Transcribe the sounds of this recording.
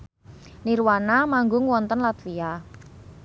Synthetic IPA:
niɾwanamaŋɡʊŋwɔnt̪ənlat̪wia

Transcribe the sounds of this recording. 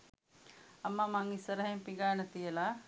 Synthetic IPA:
ɐmːaːmaːŋisɐɾɐɦẽːpɪŋɡaːnɐt̪ijɐla

